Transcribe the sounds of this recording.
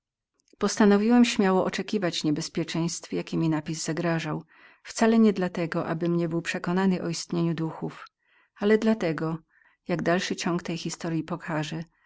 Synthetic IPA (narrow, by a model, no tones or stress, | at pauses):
pɔst̪anɔvʲiwɛmɕmʲjawɔʔɔt͡ʂɛkʲivat͡ɕɲɛbɛspʲjɛt͡ʂɛj̃st̪fjakʲɛmʲinapʲizzaɡɾaʐaw | ft̪salɛɲɛd̪lat̪ɛɡɔʔabɘmɲɛbɘwpʂɛkɔnanɘʔɔist̪ɲeɲud̪uxuf | alɛd̪lat̪ɛɡɔ | jaɡd̪alʂɘt͡ɕɔŋkt̪ɛjxʲist̪ɔɾjipɔkʰaʐɛ